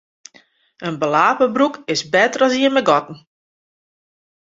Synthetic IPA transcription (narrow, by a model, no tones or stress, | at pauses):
ənbəlaːpəbrukɪsbɛtərɔsiənmɛɡɔtn̩